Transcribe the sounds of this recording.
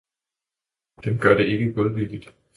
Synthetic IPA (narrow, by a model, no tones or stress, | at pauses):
d̥emɡ̥ɶɐɾ̥e̝e̝ɡ̥əɡ̥ɔðˠʋil̥id̥